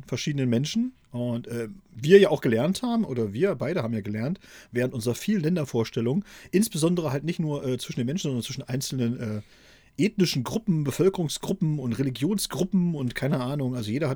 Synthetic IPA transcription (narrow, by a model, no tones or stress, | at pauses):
fɛɐʃiːdənənmɛnʃn̩ | ʔʊntʔɛːviːɐjaːaʊxɡ̥əlɛɐnthaːbm̩ʔoːdɐviːɐbaɪɾəhaːmjaːɡəlɛɐntvɛːʁ̞əntʔʊnzəʁɐfiːlənlɛndɐfoːɐʃtɛlʊŋəʔɪnsb̥əzɔndəʁ̞əhaltnɪçtnuːɐʔɛːt͡sv̥ɪʃn̩denmɛnʃn̩zɔndɐnt͡svɪʃn̩ʔaɪnt͡sl̩nənʔɛː | ʔeːtnɪʃn̩ɡʁʊpm̩bəfœlkəʁʊŋsɡ̥ʁʊpm̩ʊntʁeliɡjoːnsɡ̥ʁʊpm̩ʊntkʰaɪnəʔaːnʊŋʔalzojeːdɐhat